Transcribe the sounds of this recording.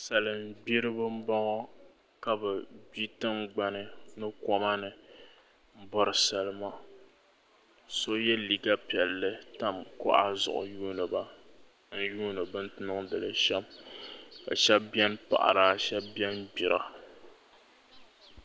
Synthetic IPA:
sa˨lɨ˨m˨bi˦ɾɨ˦bɨ˦m̩˦bɔ˦ŋɔ˦ | ka˦bɨ˨bi˦tɨ˦mɡ͡ba˨nɨ˨nɨ˦kɔ˦ma˦nɨ˨ | m̩˦bɔ˦ɾɨ˨sa˨lɨ˦ma˨ | so˦jɛ˦li˨ɡa˦pi˨ɛ˨lːɨ˦ta˦mkʊ̰˦ʔa˦zʊ̰˨ʔʊ̰˨juː˦nɨ˨ba˦ | n̩˦juː˦nɨ˨bɨ˦n˦tɨ˦nɨ˦ŋdɨ˨lɨ˦ʃɛ˦m | ka̰˨ʃɛ˦b̚bɛ˦npa̰˨ʔa̰˨ɾaː˨ʃɛ˦bbjɛ˦nbi˨ɾa˨

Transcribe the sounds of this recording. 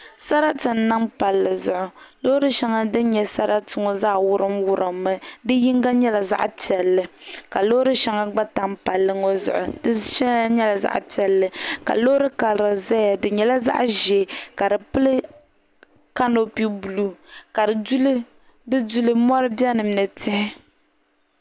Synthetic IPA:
sa˦ɾa˦tɨ˨n̩˨˦na˦mpa˨lːɨ˨zʊ˨ʔʊ˨lo˦ɾɨ˦ʃɛ˨ŋa˦dɨ˦n˦ɲɛ˨sa˦ɾa˦tɨ˨ŋo˦zaː˦˨wʊ˦ɾɨ˦mwʊ˦ɾɨ˨mːɨ˦dɨ˦ji˦ŋɡa˦ɲɛ˦la˨za̰˦ʔpi˨ɛ˨lːɨ˨ka˨lo˦ɾɨ˦ʃɛ˨˦ŋa˦ɡ͡ba˦ta˦mpa˨lːɨ˦ŋɔ˦zʊ̰˨ʔʊ˨dɨ˦ʃɛ˦ɲɛ˦la˨za̰˦ʔpi˨ɛ˨lːɨ˨ka̰˨lo˦ʊ˦ɾɨ˦ka˨lɾɨ˨za˦ja˨dɨ˨ɲɛ˨la˦za̰˦ʔʒɛ˨ka˨dɨ˨pɨ˦lɨ˦ | ka˦no˦pi˦bu˨lu˦ka˨dɨ˨du˦lɨ˦ | dɨ˦du˦lɨ˦mɔ˦ɾɨ˦bjɛ˦nɨ˨m˦nɨ˨tɪ˦hɪ˦

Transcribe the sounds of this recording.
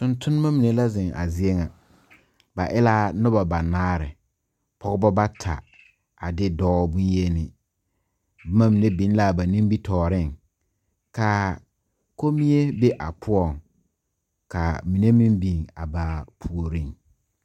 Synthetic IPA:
tʊ˨ntʰʊ˦n˦ma˦mi˨ne˨˦la˦zɪ˨ŋa̰˨zɪ˦e˦ŋa˨ | ba˨ʔɪ˦la˦nʊ˦ba˨ba˨naː˦ɾɪ˨ | pʰɔ˦ɣbɔ˦ba˦tʰa̰˨ | a˨dɪ˦dɔː˦bu˦nje˦nɪ˨ | bma˦mi˨ne˦bi˨˦n˦la˦˨ba˨nĩ˦m˦bi˦tʰɔː˨ɾɪ˦˨ŋ | ka˨ | ko˦mi˦e˦be˦ʔa˨pʰʊ˦ɔ˦˨ŋ | ka̰˨mi˨ne˦mi˦mbi˨ŋa̰˨ba˨pʰu˨o˨ɾi˦˨ŋ

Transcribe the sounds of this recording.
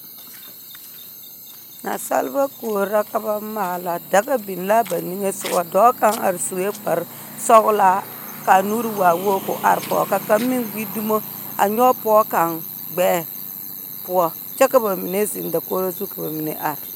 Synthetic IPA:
na̰˨sa̰˦lba˦ko˨ɾa˦ka˦ba˦ma˨la˨da˦ka˦bi˨n˦la˦ba˨ni˦ŋe˦sʊ˨wa˨dɔ˦ka˦ŋa̰˨ɾsu˨e˦k͡pa˨ɾ | sɔ˦kla˦ | ka˨nu˦ɾi˦wa˨wo˦kʊ̰˨ʔa̰˨ɾpɔ̰˨ka˨ka˦mːi˦ŋɡi˦du˦mo˦a̰˨ɲɔ˦pɔ˦ka˨ŋ | ɡ͡bɛː˦ | pu˨ɔ˨ | t͡ʃa˦ka˦ba˨mi˨ne˦zi˨nda˨ko˦ɾa˦zu˦ka˨ba˨mi˨nḛ˨˦ʔa˨ɾ

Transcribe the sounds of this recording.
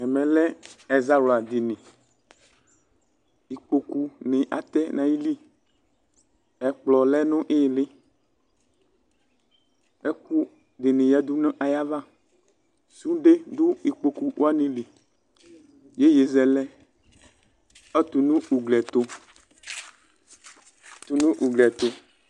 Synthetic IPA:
ɛ˨mɛ̃˨lɛ˦ɛ˨za˦wla˨d̪i˨nĩ˨ | i˨k͡po˨ku˦nɪ̃˨ʔa̰˨t̪ɛ˦nã˨ji˦li˦ | ɛ˨k͡plɔ˨lɛ˦nõ˦ʔe˦˨lɪ˦ | ɛ˦ku˦ | ɖe˨nẽ˨ja˦d̪u˦nẽ˦ʔa˨ja˦va˦ | su˦ɖe˦du˦i˨k͡po˨ku˦wo˦a˦nẽ˨li˨ | je˦je˨zɛ˨lɛ˦ | ɛ˦t̪u˨nũ˦u˨ɡlɛ˨t̪o˦ | t̪u˨nũ˦ʔu˨ɡlɛ˨t̪o˨

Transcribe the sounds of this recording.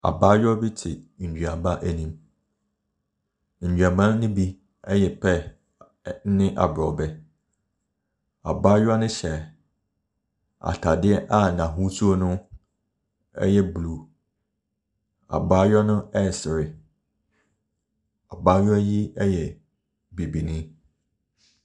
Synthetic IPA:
a̰˨baː˦jɔ˦bi˦tʰɪ˨d͡ʑᶣa˨ba˦ʔæ˨nĩ˨m | n̩˨d͡ʑᶣɥa˨bã˦nʊ̃˦bi˦ | ɛ˦jɛ˨pʰɛ˦ | n̩˦nɪ̃˦ʔa̰˨bɾɔ˨bɛ˦ | a̰˨baː˦ja˦nʊ̃˦ɕɛ˨ | a̰˨tʰa˨dɪ˦ɛ˦ʔa˦˨nã˨ɦu˦su˦o˦nʊ̃˦ | ɛ̰˦jɛ˦blu˨ | a̰˨baː˦jɔ˦nʊ̃˦ɛ˦˨sɪ˨ɾɪ˨ | a˨baː˦jɔ˦ji˦ɛ˦jɛ˨ | bi˨bi˨nĩ˦

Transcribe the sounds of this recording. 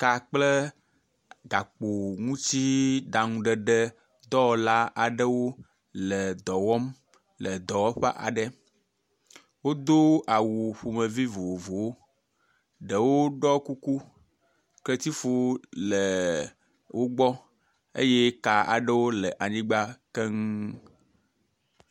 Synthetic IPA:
ka˨k͡plə˦ | ɡa˨k͡po˨ŋũ˦t͡ɕi˦ɖa˨ŋũ˨ɖə˨ɖə˦ | d̪ɔ˦˨la˦ʔa˨ɖə˦wo˦ | lə˨d̪ɔ˨wɔ˦m | lə˨d̪ɔ˨wɔ˦ɸɛ̰˦ʔa̰˨ɖə˦ | wo˦d̪o˦a˨wu˨ɸo˨mə˨vi˦vo˨wo˨vo˨wo˦ | ɖə˨wo˦ɖɔ˦ku˦ku˦ | klə˦t̪i˦fo˦lə˨ | wʔo˦ɡ͡bɔ˦ | ḛ˦je˦ka˨a̰˨ɖə˦wo˦lə˨ʔa˨ɲĩ˦ɡ͡ba˦kɛ˦ŋ˦

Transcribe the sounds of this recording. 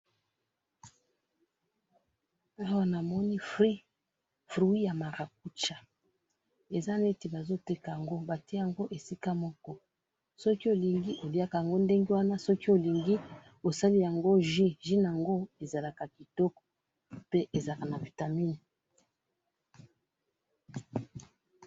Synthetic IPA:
a˦wa˦na˨mɔ˦ni˦fʁi˦ | fʁu˨˦i˦ja˨ma˨ʁa˨k̚u˦t͡ʃa˨ | e˨za˦ne˦te˨ba˨zo˦te˦ka˨ja˨ŋɡo˦ba˨tja˨ŋɡo˦ʔe˨si˦ka˦mɔ˦kɔ˦ | sɔ˦ki˦o˨li˨ŋɡi˦ʔo˨li˦a˦ka˨ja˨ŋɡo˦nde˦ŋɡe˦wa˦na˦sɔ˦ki˦o˨li˨ŋɡi˦ | o˨sa˦li˦ja˨ŋɡo˦ʒi˦ʒi˦na˨a˨ŋɡo˦e˨za˨la˨ka˨ki˨tɔ˦kɔ̥˨ | pe˦ʔe˨za˨ka˨na˨vi˨ta˨mi˦n˨

